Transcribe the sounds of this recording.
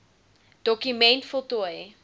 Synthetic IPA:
d̥ɔkymɛntfotuəjə

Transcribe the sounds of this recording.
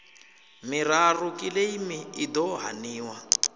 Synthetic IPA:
mirarukʼileimiid̪ɔɦa̰niːwa

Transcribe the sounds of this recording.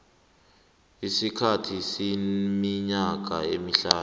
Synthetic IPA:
isikʰatʰisimiɲak̬aemiɬaː

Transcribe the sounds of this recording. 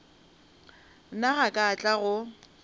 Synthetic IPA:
naɣakʼat͡ɬʼaɣʊ

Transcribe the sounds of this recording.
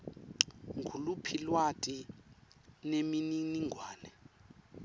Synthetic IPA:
ŋɡʰʱulupʰilwatʼi | nemininiŋɡʱwaːnɛ

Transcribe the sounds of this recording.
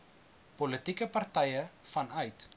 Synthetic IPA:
polətikəpɐrtɛjəfɐnœɥt

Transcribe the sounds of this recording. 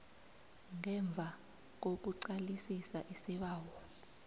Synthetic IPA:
ŋɛɱb̪vʱa | k̬ok̬uǀalisisaʔisiɓaːwɔː

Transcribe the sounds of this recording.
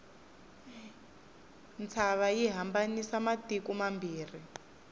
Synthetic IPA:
nt͡sʰaβajiɦambanisamatikumambiːr̤i

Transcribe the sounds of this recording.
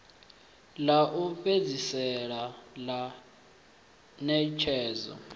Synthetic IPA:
laʔuped͡zisɛɺala | nɛt͡ʃʰɛːzɔ̰

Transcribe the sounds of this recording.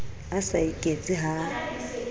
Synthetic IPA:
asaikʼet͡sʼiɦa

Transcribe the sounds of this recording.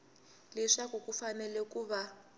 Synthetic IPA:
lɛʂakukufanɛlɛkuːβa

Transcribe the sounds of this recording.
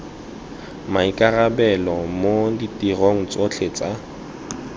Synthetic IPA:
maikʼarabɛlɔmoditʼiroŋ̩t͡sʼot͡ɬʰet͡sʼa

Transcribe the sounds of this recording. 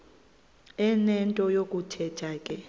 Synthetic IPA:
ɛnɛntʼɔjokʼutʰɛtʰaːkʼɛ

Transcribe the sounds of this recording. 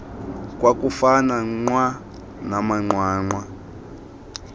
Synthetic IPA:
kwakufanaŋ͡ǀwa | namaŋ͡ǃwaːŋ͡ǃwa

